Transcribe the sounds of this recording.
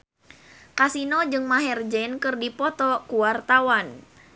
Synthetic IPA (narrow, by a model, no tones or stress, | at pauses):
kasinɔd͡ʒɨŋmaɦɛrd͡ʒɛnkɨrdipɔt̪ɔkuwart̪awan